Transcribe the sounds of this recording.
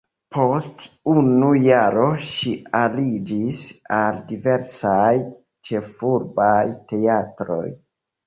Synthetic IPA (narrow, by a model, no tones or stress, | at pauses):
pʰo̞stunujaɾo̞ʃialid͡ʒisaldive̞ɾsaj | t͡ʃe̞fuɾbajte̞atɾo̞̰j